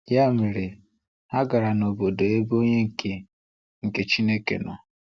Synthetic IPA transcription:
ja˦˨mi˨ɾi˨ | a˦ɡa˨ɾa˨no˨bo˨do˨e˦bo˦ɲe˦ŋ̩˨kʰe˨ | ŋ̩˨ke˨t͡ʃi˦ne˦kḛ˨nʊ̰˨

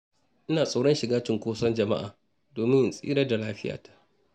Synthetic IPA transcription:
ʔɪ˦naː˨sʼa˨wɽɔ˦nʃɪ˨ɡaː˦t͡ʃɪ˨ŋkʷoː˦sɐ˦nd͡ʒɐ˨ma̰˦ʔa̰ː˨ | doː˨mɪ˦ɲjɪ˨nsʼḭː˦ɾɐ˦rda˨laː˦ɸɪ˦ja̰ː˨tḁ˦ʔ

